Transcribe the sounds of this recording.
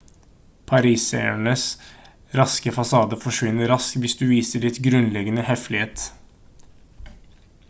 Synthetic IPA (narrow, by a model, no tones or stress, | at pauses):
pʰɑɾiːsɛ̰æɳəs | ɾɑskəfɑsɑːd̪əfɔʂʋɪnːəɾɑskʋɪsd̪ʉːʋiːsəɭɪt̪ɡɾʉnlɛɡənəhɛflɪheːt̪